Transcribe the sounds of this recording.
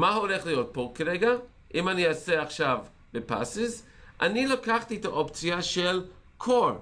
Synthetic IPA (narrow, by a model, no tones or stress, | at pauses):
maholeχlijot̚pokaɾeɡa | ʔimaniaseaχʃav | bepa̰siz | ʔanilakaχt̪iet̪aʔopt͡sjaʃelkʰoɾ